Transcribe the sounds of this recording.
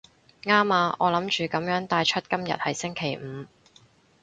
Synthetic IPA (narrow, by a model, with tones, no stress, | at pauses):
ŋaː˥maː˨˧ʔɔ̰ː˨˧lɐ˨˥mt͡ʃyː˨kɐ˨˥mjœː˨˥ŋt̪aː˧jt͡ʃʰɵ˥t̚kɐ˥mjɐ̰˨t̚hɐ˨jsɪ˥ŋkʰe˨˩jm̩˨˧